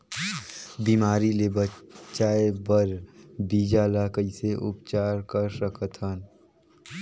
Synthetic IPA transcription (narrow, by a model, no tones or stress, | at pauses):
biːmaːɾilebət͡ʃaːebəɾbiːd͡ʒalaːkəiseʔʊpt͡ʃaːɾkəɾsəkʰət̪ʰən